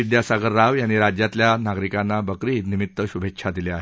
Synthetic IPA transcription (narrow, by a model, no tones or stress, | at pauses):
id̪jasaɡəɾːaʋjanːiɾad͡ʑjat̪ljanaɡɾikanːabəkɾiːnimit̪ːəɕubʱekʂʰad̪ileaɦe